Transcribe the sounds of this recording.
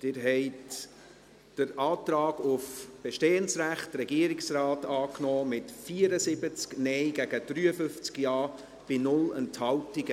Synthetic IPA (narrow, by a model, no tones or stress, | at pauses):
d̥ɪɾɦɛɪt | d̥əɾɑːt̪rɑːɡʊfb̥eʃteːənsræχtɾɛɡiəɾɪksrɑːtɑːknɔːmɪtfiəɾəsɪbət͡sknɛɪɡæɡ̥əd̥ɾyːəfʏft͡skjɑː | b̥ɪnʊlɛ̰nthɑwtɪɡə